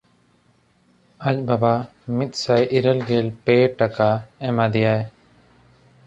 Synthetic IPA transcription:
ac̚baba | mit̪̚ˀsajʔiɾəlɡɛlpɛʈakaɛmad̪ɛjaj

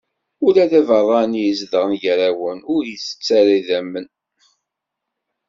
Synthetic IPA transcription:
ʊlæðævərˤːɑnjəzðəʁnʝɾawənʊɾjəsə̥t͡sːæɾiðæmːən

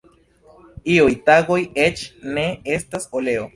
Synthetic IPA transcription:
iojt̪aɣojet͡ʃneest̪asoleo

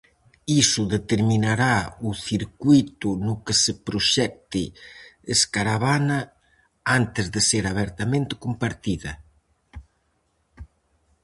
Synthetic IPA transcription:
isʊðet̪eɾminaɾauθiɾkujt̪unʊkesepɾoʃɛk̚t̪ɪeskaɾaβanɐ | ant̪ɪzðɪseɾaβ̞ɛɾt̪amẽnt̪ɪ̥kumpaɾt̪iðɐ

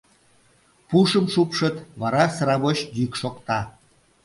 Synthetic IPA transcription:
puʃəmʃupʃət̪βɑɾɑsəɾɑβoɕd̪ykʃokt̪ɑ

